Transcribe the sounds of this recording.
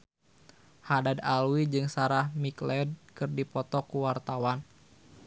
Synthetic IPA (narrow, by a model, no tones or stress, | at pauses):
hadadalwid͡ʒɨŋsaɾahmiklɛd̚kɨrdipɔt̪ɔkuwart̪awan